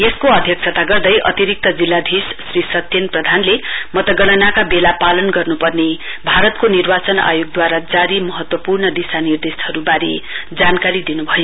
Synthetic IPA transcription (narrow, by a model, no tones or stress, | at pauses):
eskoʌd̪ʱjʌk̚sʰʌt̪aɡʌrd̪ʌjʔʌ̰t̪iɾik̚t̪ʌd͡zilːad̪ʱissrisʌt̪enprʌd̪ʱanlemʌt̪ʌɡʌɽ̃ʌnakabelapalʌnɡʌrnupʌrne | bʱaɾʌt̪konirbat͡sʌna̰joɡ̚d̪waɾad͡zaɾimʌɦʌt̪wʌpurnʌd̪isanird̪eshʌɾubaɾḛd͡zankaɾid̪inubʱʌjo